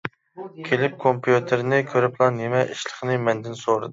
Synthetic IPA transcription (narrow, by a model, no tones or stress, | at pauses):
kʲʰelɪp̚kʰompʰjut̪ʰeɾnɪkʲʰøɾɪplˠɑnːemɛʔiʃlˠə̥χnɨmɛnd̪ɪnsoɾɨ̰d̪